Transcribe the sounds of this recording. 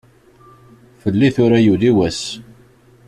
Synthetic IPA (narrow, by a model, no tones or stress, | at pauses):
fəlːiθʊɾæjuðiwæs